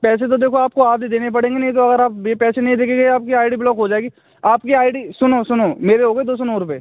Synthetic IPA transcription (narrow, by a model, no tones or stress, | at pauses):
pɛːset̪̬od̪eːkʰoaːp̚koaːd̪id̪eːnep̬ɐɽẽːŋɡenɐɦĩt̪̬oɐɡəɾaːpjepɛːsenɐɦĩd̪eːkʰẽːŋɡeaːp̚kiaːɪɖiblɔːkɦod͡ʒaːeːɡi | aːp̚kiaːɪɖisʊnosʊnoːmeːɾeɦoːɡeːd̪oːsonoɾʊpeː